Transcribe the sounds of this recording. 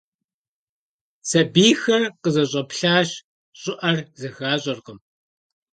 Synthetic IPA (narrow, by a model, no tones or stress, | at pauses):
sɐbiːxɐrqəzɐɕ̬ʼɐpɬaːɕ | ɕʼɪʔɐrzɐxaːɕʼɐrqəm